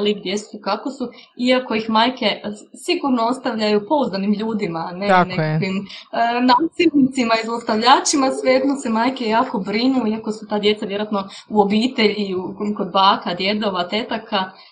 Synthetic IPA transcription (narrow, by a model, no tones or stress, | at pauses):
liɡd̪je̞ssukako̞su | iako̞ixmaːjke̞siɡuɾno̞o̞st̪aʋʎajupo̞uzd̪animʎuːd̪imanenekaʋimnaːsilnit̪simaizost̪aʋʎaːt͡ʃimasʋejed̪nose̞maːjke̞jaːko̞bɾinuiako̞sut̪aːd̪je̞t̪saʋje̞ɾoat̪no̞ | uobiːt̪e̞ʎiukko̞d̪̚baːkad̪je̞d̪o̞ʋat̪e̞t̪akʰa